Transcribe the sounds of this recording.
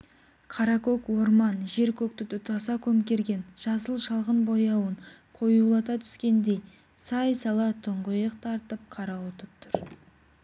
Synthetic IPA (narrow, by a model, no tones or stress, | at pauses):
qʰɑɾɑkokwo̞ɾmɑnʒe̞ɾkʲʰɵk̚t̪ɪt̪ʊt̪ɑsɑkʲʰɵmkʲe̞ɾɡʲe̞nʒ̥ɑsəlˠʃɑlˠʁənbo̞jɑwəɴqʰo̞julˠɑt̪ɑt̪ʰʏ̥skʲe̞nd̪e̞j | sɑjsɑlˠɑt̪ʰʊɴʁəjəq̚t̪ʰɑɾt̪əp̚qʰɑɾɑwot̪əp̚t̪ʰʊɾ